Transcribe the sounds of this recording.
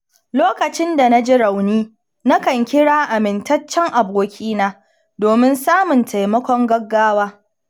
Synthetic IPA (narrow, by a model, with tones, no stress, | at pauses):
loː˦kɐ˨t͡ʃɪ˦nda˨na˦d͡ʒɪ˦ɾa˨wniː˦ | na˦kɐ˨ŋkʲɪ˦ɽaː˦ʔa˨mɪ˨ntɐ˦t͡ʃːɛ˦ŋʔa˨boː˦˨kʲʰiː˦naː˦ | doː˨mɪ˦nsaː˦mʊ˨ntʰa˨jmɐ˦kʷɔ˦ŋɡɐ˦ɡːaː˦waː˦